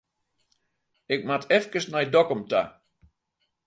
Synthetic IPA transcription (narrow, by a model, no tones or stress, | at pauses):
ɪk̚matʰɛfkəsnɛjdɔkɔmta̰